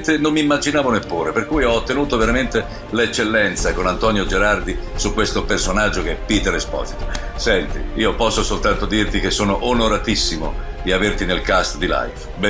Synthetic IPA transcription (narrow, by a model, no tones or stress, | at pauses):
t̪enomːimːad͡ʒinaːvonepːuːɾeperkujɔot̪ːenuːt̪oveɾament̪e | let͡ʃːelːɛnt̪sakonant̪ɔnjod͡ʒeɾard̪isukwest̪opersonad͡ʒːokeɛpːit̪eɾespɔ̰zit̪o̥ | sɛnt̪ḭiːopɔsːosolt̪ant̪od̪irt̪ik̟esːoːnoʔonoɾat̪isːimo̰d̪iavert̪inelkast̪d̪ila̰jf | bɛ